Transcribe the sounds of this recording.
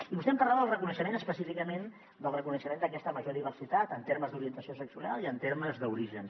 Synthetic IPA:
iβust̪ɛmpəɾlaðəlˠrəkunəʃəmenəspəsifikəmen | d̪əlˠrəkunəʃəmend̪əkɛst̪əməʒoðiβ̞ərsit̪at̪ənt̪eɾməzd̪uɾiənt̪əsiosəksuɾia̰lˠiənt̪eɾməzðəuɾiʒən

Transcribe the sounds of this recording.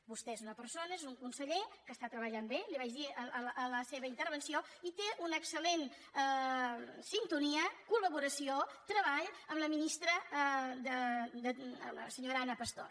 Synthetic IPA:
bust̪eezunəpəɾsonəezuŋkunsəʎekəst̪at̪ɾəβəʎambeliβaʒðiəəələseβəint̪əɾβənsioit̪eʔunəksəlen | sint̪uniəkuləβuɾəsiot̪ɾəβ̞aʎəmləminist̪ɾəd̪əd̪ələsəɲoɾanəpəst̪o̰r

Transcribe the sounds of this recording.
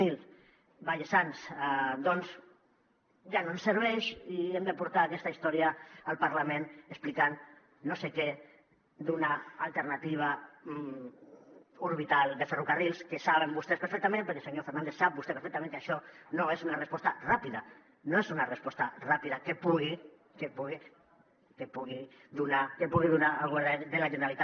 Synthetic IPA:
il | baʎesansd̪ɔnz | ʒanoemseɾβ̞ɛʃiemd̪epuɾt̪aːkɛst̪aist̪ɔɾjaːlˠpaɾlamẽnəsplikanː | osekɛ | d̪unaa̰lˠt̪eɾnat̪iβ̞a | uɾβit̪alˠd̪eferukarilˠskesaβembust̪espeɾfɛk̚t̪amẽnpeɾkelseɲofeɾnand̪esap̚bust̪epeɾfɛk̚t̪amẽŋkaʃɔnoesunarespɔst̪arapiða | noesunarespɔst̪arapiðakepuɣi | kepuɣi | kepuɣi | d̪unakepuɣiðunaalɣoɾðeðelaʒeneɾalit̪a

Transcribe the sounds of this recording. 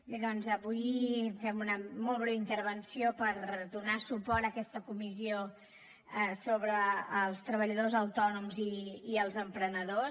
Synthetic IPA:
beðɔnzəβujfɛmunəmɔlˠβɾeint̪əɾβənsiopəɾd̪unasupɔɾt̪əkɛst̪əkumizio | ɛsoβɾəːlˠst̪ɾəβəʎəðozəwt̪ɔnumziːəlˠzəmpɾənəðo

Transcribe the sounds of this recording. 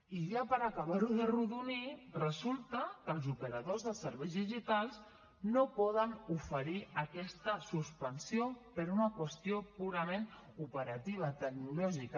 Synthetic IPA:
iʒapəɾəkəβ̞aɾuðəruðunirəzulˠt̪əkəlˠzupəɾəðozðəsəɾβɛjzðiʒit̪alˠz | nopɔðənufəɾiəkɛst̪əsuspənsiopəɾunəkwəst̪iopuɾəmen | upəɾət̪iβ̞ət̪ək̚nulɔʒik

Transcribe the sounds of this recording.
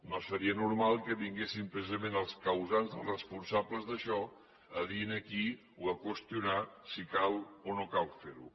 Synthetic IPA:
nosəɾiənuɾmalˠkəβiŋɡesimpɾəsizəmẽnəlˠskəwzanzðəlˠrəspunsabləzðəʃɔ | əðinəki | uəkwəst̪iunasikalonokalfeɾu

